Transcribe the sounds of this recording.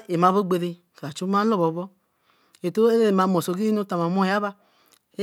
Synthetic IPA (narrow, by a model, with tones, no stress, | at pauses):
e˨ma˨βo˦ɡ͡be˧ɾe˧ | ka˨t͡ʃu˦ma˦lo˦bɔ˨˦bɔ˦ | e˨to˦e˦ɾe˦e˨ma˧mo˨so˧˨ɡi˦no˦ta˨˧ma˨mo˦˨ja˦βa˧ | e˦